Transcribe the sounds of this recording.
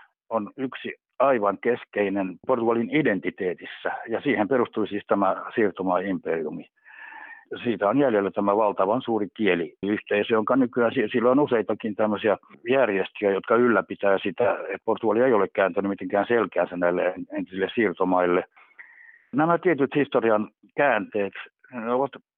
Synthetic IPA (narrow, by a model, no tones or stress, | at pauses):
onyksi | ɑiʋɑŋkeskeinenport̪uɑlinident̪it̪eːt̪isːæjɑsiːhemperust̪uisiːst̪æmæsiːrt̪omɑiimperiumi | siːt̪æonjæljelːæt̪æmæʋɑlt̪ɑʋɑnsuːrikieliyht̪eːseoŋkɑːnnykyæːnsisilːoonuseit̪ɑkint̪æmːøsiɑjærjest̪yæjot̪kɑylːæpit̪æːsit̪æet̪̚port̪uɑlieiolekkæːnt̪ænymit̪eŋkæːnselkæːnsænnæilːḛeent̪isilːessirt̪omɑilːe | næmæt̪iet̪yt̪hist̪oriɑn | kæːnt̪eːt̪ | neoʋɑt̪